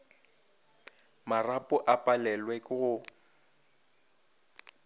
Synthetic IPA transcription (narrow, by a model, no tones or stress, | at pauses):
marapʼʊʔapʼalɛlwɛkʼɣʊ